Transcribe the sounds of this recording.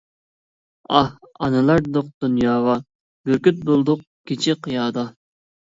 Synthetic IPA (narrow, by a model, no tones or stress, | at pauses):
ɑh | ɑ̰nɨlˠɑɾd̪oq̚d̪̥unjɑːʁɑ | b̥yɾkʲyt̪̚bolˠd̪ʊq̚ | kʲʰet͡ʃʰɪqʰəjɑːd̪ɑ